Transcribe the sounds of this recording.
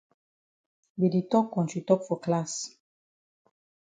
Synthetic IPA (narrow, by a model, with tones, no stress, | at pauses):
be˨di˨tɔ˦kːɔ̃˨nt͡ʃi˨tɔ˦kfɔ˨kla˦s